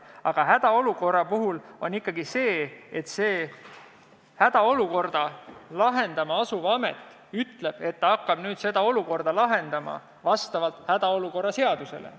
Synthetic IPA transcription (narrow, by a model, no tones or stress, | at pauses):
ɑɡ̥ɑɦæd̪̥ɑo̞luko̞rɑpuɦulo̞nikːˑɑɡise̞ːet̪se̞ː | hæd̪̥ɑo̞luko̞rd̪̥ɑlɑɦe̞nd̪̥ɑmɑɑsuvɑme̞̰t̪ːˑ | yt̪le̞b̥e̞t̪ːɑɑkːɑb̥nyːd̪̥se̞d̪ɑo̞luko̞rd̪̥ɑlɑɦe̞nd̪̥ɑmɑ̰ | vɑst̪ɑvɑlt̪ˑhæd̪̥ɑo̞luko̞rːɑse̞ɑd̪̥use̞̰lḛ